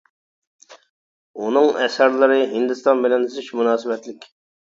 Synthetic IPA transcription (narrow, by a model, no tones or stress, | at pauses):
unɨŋɛsæɾlˠɨɾɨɦɪnd̪ɪst̪ɑnbɪlɛnɨzɪʃmunɑːsɨbɛt̪lɪkʲ